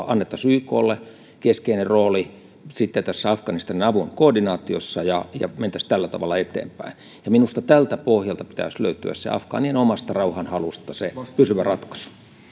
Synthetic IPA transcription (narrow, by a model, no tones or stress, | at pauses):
ɑnːet̪ːɑsyːko̰ːlːe | keskeinerroːli | sit̪ːet̪æsːæɑfkɑnist̪ɑninɑʋuŋkoːrdinɑːt̪io̰sːɑjɑjɑ̰ment̪æst̪ælːæt̪ɑ̰ʋɑ̰lːˑɑet̪ḛːmpæ̰in | jɑminust̪ɑt̪ælt̪æpohjɑlt̪ɑpi̥t̪æ̰ˑslø̰yt̪y̰æ̰ssḛɑ̰fkɑ̰ːnienomɑst̪ɑrɑuhɑnhɑlust̪ɑsepysyʋærɑt̪kɑ̥su̥